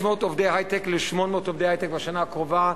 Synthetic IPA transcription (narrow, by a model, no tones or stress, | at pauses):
motɔfdehaɪtɛklɪʃmɔnmɔtɔfdɛhaɪtɛkvaʃanaːkʁɔva